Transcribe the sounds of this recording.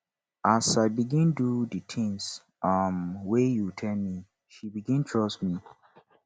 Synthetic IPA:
asaɪbiɡĩndudətʰɪ̃ŋs | ʌmwejutʰɛlmi | ʃibiɡĩntʰɹɔsmi

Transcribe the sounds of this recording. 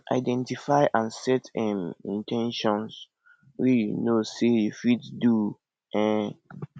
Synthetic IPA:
ʔa̰ɪdɛ̃ntifaɪʔãnsɛtɛ̃mĩntʰɛ̃nʃɔ̃ns | wijunosejufiddu | ʔɛ̃

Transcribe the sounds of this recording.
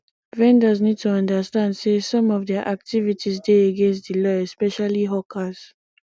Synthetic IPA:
vɛ̃ndəznid̚tʰuʌ̃ndəstãndsesɔ̃mɔvdɛaʔak̚tivitʰizdeəɡẽnstdilɔɛspɛʃaliɦɔkʰaz

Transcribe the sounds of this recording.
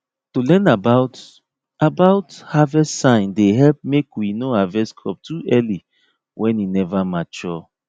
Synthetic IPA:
tulɛ̃nabaʊt | abaʊthavɛssãɪ̃ndeɦɛlp̚mekwinohavɛskʰɔ̰p̚tʰuʔɛli | wʔɛ̃ninɛvamat͡ʃɔ

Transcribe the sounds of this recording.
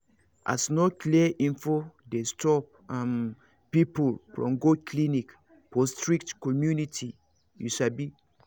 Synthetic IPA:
ʔa̰snɔkliəʔĩnfodestɔp̚ãm | pipulfɹɔ̰̃mɡokʰlinik | pɔstɹiktkɔmjunitʰi | jṵʃabi

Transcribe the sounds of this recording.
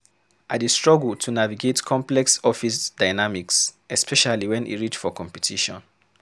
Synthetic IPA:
adistɹ̥ɔɡultʰunaviɡetkʰɔ̃mplɛksɔfisdaɪnamiksɛspʰɛʃaliwɛ̃nʔḭɹit͡ʃfɔkʰɔ̃mpɛtʰiʃɔ̰̃n

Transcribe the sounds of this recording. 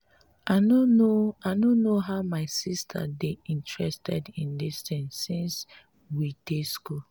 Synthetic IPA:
anonoaɪnonoɦaʊmaɪsistʰə̰deĩntʰɹɛstʰɛdĩndist̪ɪ̃nsĩns | wideskul

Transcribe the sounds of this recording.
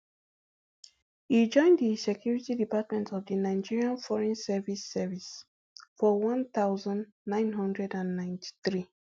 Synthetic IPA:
id͡ʒɔ̃ɪ̃nddisɛkʰjuɹitidipatmɛ̃ntɔvdinaɪd͡ʒiɹiãnfɔɹɛ̃nsɛvisːɛvis | fɔwʌ̃nt̪aʊzãnː | ãɪ̃nɦʌ̃ndɹɛdãnːãɪ̃ntʰi̥θɹi

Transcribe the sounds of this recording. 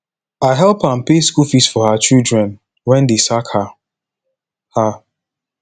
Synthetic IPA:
aɪɦɛlˠpanpeskulfisfɔhat͡ʃildɹɛ̃n | wɛ̃ndesakha | ha

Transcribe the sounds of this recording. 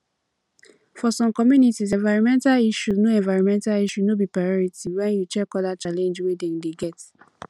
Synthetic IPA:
fɔsɔ̃mkɔmjunitiz̬ɛ̃nvaɪɹɔ̃mɛ̃ntaliʃuznoɛ̃nvaɪɹɔ̃mɛ̃ntaliʃunobipɹajɔɹitiwɛ̃njut͡ʃɛkɔdat͡ʃalẽnd͡ʒwedɛ̃ŋdeɡɛt

